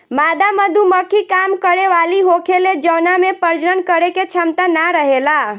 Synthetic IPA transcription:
mad̪ʱaməd̪ʱuməkʰikamkəɾeʋaliɦokʰeled͡ʒənamepəɾd͡ʒɾənkəɾeket͡ʃʰəmt̪anaɾəɦela

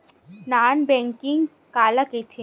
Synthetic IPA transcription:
naːnbɛ̃ːŋkɪŋɡ | kaːlaket̪ʰe

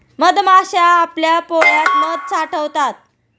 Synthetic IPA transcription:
məd̪maɕaːpljapoɭjat̪məd̪̚t͡saʈʰəʋt̪at̪̚

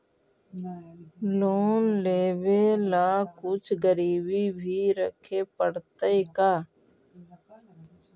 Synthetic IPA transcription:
loːnleːʋelaːkʊt͡ʃʰɡəɾiːbibʱiɾəkʰepəɽt̪əekaː

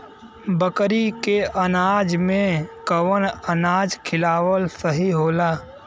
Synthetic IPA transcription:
bəkɾikeənaːd͡ʒmẽkəwənənaːd͡ʒkʰɪlaːwəlsəɦiɦoːlaː

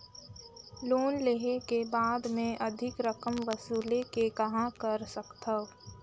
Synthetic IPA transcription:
loːnleɦekebaːd̪mẽʔɐd̪ʱɪkɾəkəmʋəsuːlekekɐɦãkəɾsəkt̪ɐ

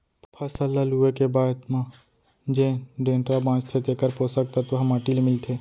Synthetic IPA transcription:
pʰɐsələluekebaːd̪mã | d͡ʒẽɖẽːɳʈɾabãːt͡ʃt̪ʰet̪ekəɾpoːsəkt̪at̪oɦɐmaʈiːlmɪlt̪ʰeː

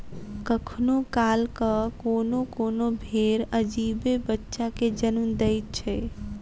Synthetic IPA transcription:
kəkʰnokalkəkonokonobʱeɾəd͡ʒibebətːʃaked͡ʒənund̪əjt̪̚t͡ʃʰɛ

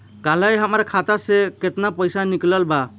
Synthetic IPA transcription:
kalajɦamaɾkʰat̪asɛkɛt̪napɔjsanikləlba

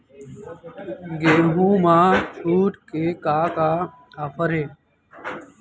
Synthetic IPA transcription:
ɡeːɦũːmãːt͡ʃʰuːʈkeːkaːkaː | aːfʰəɾeː

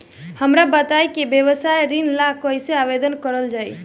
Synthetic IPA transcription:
həmɾabət̪ajkibjəβəsajɾinlakəjseabed̪ənkəɾəld͡ʒaj̰

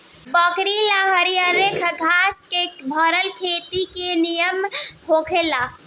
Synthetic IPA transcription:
bəkɾilaɦəɾijəɾekʰɡʱaskebʱəɾəlkʰet̪ikenijəmɦokʰela

